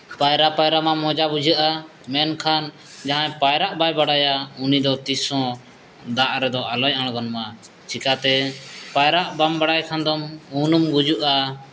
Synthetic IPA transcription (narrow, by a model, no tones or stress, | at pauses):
pajɾapajɾamamɔd͡ʒabud͡ʒʱəʔa | mɛnkʰan | d͡ʒaɦãjpajɾaʔbajbaɽajaunid̪ɔt̪isɔ̃ | d̪aʔɾɛd̪ɔalɔjaɽ̃ɡɔnma | t͡ʃikat̪ɛpajɾaʔbambaɽajkʰand̪ɔmunumɡud͡ʒuʔa